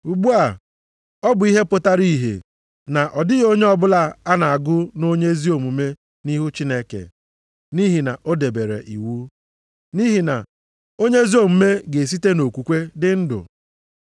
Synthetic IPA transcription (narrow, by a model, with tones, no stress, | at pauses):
u˨ɡ͡bu˦a˨ | ɔ˦bʊ˨i˦ɦe˦pʊ˦˨ta˦ɾi˦˨ɦḛ˨ | na˨ʔɔ˨dɪ˦ɣo˦ɲe˦ɔ˦bʊ˦la˦a˦na˨a˨ɡʊ˦no˦ɲe˦zi˦o˨mu˨me˦ | ni˦ɦu˦t͡ʃi˦ne˦kḛ˨ | ni˦ɦi˨na̰˨ʔo˦de˨be˨ɾḛ˨ʔḭ˨wu˦ | ni˦ɦi˨na̰˨ | o˦ɲe˦zi˦o˦˨m̩˨me˦ɡe˨s̬i˦te˦no˨kʷu˨kʷe˦dɪ˦n̩˦dʊ̰˨